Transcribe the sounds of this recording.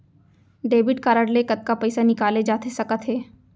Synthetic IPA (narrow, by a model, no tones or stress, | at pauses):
ɖeːbɪʈkaːɾəɽlekɐt̪̚kapɛɪsanɪkaːled͡ʒaːt̪esɐkət̪ɦeː